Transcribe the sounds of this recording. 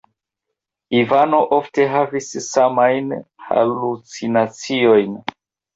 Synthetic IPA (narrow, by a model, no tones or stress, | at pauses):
ivano̞ʔo̞fte̞ɦavissamajnha̰lut͡sinat͡sio̞jn